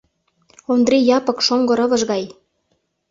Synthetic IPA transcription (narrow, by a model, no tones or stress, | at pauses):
ond̪rijɑpɤ̆kʃoŋɡɤ̆ɾɤ̆βə̆ʒɣɑj